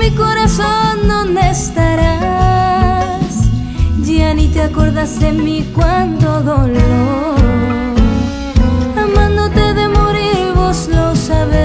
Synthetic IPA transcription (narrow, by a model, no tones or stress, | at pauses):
iko̞ɾasonːonest̪aɾa | s | d͡ʒianit̪eako̞ɾðasdemikwant̪o̞ðolo | amãnd̪ot̪e̞ðe̞moɾiɾβoslo̞saβe